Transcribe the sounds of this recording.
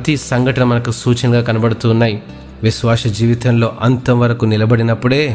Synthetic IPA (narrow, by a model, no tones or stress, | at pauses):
t̪isɐŋɡʱɐʈɐnɐmɐnɐkusuːt͡ʃɐŋɡaːkɐnɐbɐɽut̪uːnːaːji | ʋiʃʋaːsɐd͡ʒiːʋit̪ɐnlo̞ːʔɐnt̪ɐmʋɐɾɐkunilɐbɐɽinɐpːuɽe̞ː